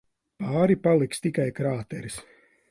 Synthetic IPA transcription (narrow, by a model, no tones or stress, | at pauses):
paːɾipalˠikst̪ikajkɾaːt̪ɛɾis